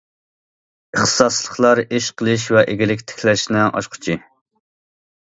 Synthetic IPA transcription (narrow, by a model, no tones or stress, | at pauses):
əχt̪ʰə̥sɑslˠəχlˠɑɾeʃqʰəlˠɨʃ̬wɛʔeɡʲɪlɪkʲt̪ʰe̥kʲʰlɛʃnɪʔɑ̰ʃqʰʊ̥t͡ʃʰi